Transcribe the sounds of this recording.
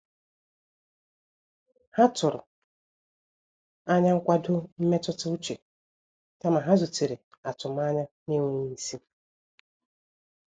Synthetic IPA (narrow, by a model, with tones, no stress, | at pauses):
ha˦tʊ˨ɾʊ̰˨ | a˦ɲa˦ŋ̩˦kʷa˦dʊ˦m̩˦me˦tʊ˦tʊ˦u˦t͡ʃe˨ | ta˦ma˨ɦa˦zʊ˨ti˨ɾe˨ | a˨tʊ˨m˦a˦ɲa˦ | ni˦ŋʷe˦ni˦si˦